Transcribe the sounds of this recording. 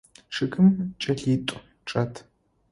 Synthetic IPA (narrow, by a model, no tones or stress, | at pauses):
ʂɨkɨmt͡ʃʼɐɬiːtʷʼ | ʈ͡ʂʼɐtʰ